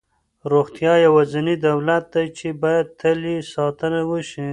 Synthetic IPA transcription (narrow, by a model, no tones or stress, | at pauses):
ɾoxt̪jɑjawazanid̪awlat̪̚d̪ajt͡ʃebɑjad̪̚t̪ʰəlisɑt̪ənawəʃi